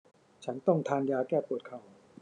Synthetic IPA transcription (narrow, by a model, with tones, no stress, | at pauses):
t͡ɕʰa˦˥nt̪ɔ˥˩ŋt̪ʰaː˧njaː˧kɛː˥˩pu˨˩ət̪̚kʰa˨˩w